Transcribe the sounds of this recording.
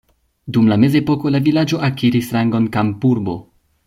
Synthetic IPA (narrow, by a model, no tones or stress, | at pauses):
dumlame̞ze̞po̞ko̞lavilad͡ʒo̞ʔakiɾisɾaŋɡo̞nkampuɾbo̞̰